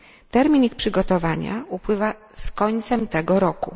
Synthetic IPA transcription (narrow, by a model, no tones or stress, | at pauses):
t̪ɛɾmʲinixpʂɘɡɔt̪ɔvaɲa̰upwɘvaskɔɲt̪sɛmt̪ɛɡɔɾɔku